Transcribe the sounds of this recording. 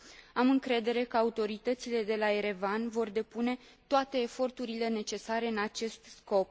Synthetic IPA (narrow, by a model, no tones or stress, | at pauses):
amɨŋkɾe̞d̪e̞ɾe̞kəaut̪o̞ɾit̪ət̪sile̞d̪e̞laeɾe̞vanvo̞rd̪e̞pune̞ | t̪oat̪e̞ːfo̞rt̪uɾile̞ne̞t͡ʃe̞saɾe̞ɨnat͡ʃe̞st̪sko̞p̚